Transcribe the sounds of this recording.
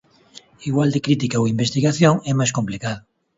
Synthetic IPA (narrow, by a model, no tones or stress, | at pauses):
iɣwald̪ekɾit̪ikaowimbest̪iɣaθjoŋɛmajskomplikaðʊ